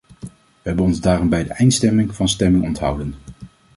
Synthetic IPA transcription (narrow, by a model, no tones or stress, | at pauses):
ʋəɦɛbənɔnzdaːrɔmbɛjdəʔɛjntstɛmɪŋvɑnstɛmɪŋɔntɦʌ̰wdən